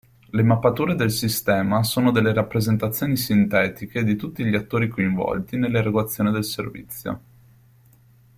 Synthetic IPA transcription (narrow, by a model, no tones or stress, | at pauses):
lemapːat̪uːɾed̪elsist̪ɛːmasoːnod̪elːeɾapːɾezent̪at̪sːjoːnisint̪ɛːt̪iked̪it̪ut̪ːiʎiat̪ːoːɾikoiɱvɔ̰lt̪inelːeɾeɡoat̪sːjoːned̪elservḭt̪sːjo̰